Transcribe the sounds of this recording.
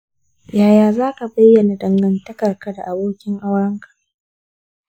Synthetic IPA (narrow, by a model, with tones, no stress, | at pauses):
jaː˨jaː˨zaː˦ka˨bɐ˦jːɐ˨na˨dɐ˨ŋɡɐ˦ntɐ˦kɐ˨rka˦da˨ʔa˨boː˦kʲɪ˦ŋʔa˦wɐ˦ŋkʰḁ˨